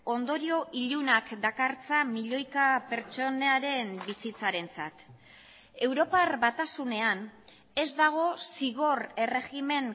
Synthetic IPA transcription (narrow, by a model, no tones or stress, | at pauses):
o̞nd̪o̞ɾio̞ʔiʎunakd̪akaɾt͡samiʎo̞jkape̞ɾt͡so̞neaɾe̞mbisit͡saɾe̞nt͡sat̪ | e̞wɾo̞parbat̪asune̞an | e̞zd̪aɣ̞o̞siɣo̞re̞re̞ɣime̞ŋ